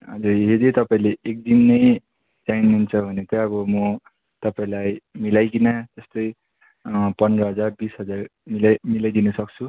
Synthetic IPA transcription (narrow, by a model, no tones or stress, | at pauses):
ɦʌd͡zurɦed̪it̪ʌpaĩleek̚d̪inːʌj | d͡zajnunt͡sʰʌbʱʌnet̪ʌʌbʌmʌ | t̪ʌpaĩlajmilajkinat̪ʌst̪ʌj | pʌnrʌɦʌd͡zarbisɦʌd͡zarmilajmilajd̪inʌsʌk̚t͡sʰu